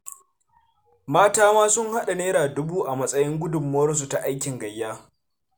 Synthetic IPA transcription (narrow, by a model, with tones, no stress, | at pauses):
maː˦taː˦maː˦sʊ˦ŋha˦ɗa˨neː˦ɾaː˨dʊ˦buː˦ʔa˨mɐ˦sʼɐ˦jɪ˦ŋɡʷʊ˦dʊ˨mːo˦ɽs̬u˨ta˨ʔa˦jkʲɪ˨ŋɡɐ˨jːaː˦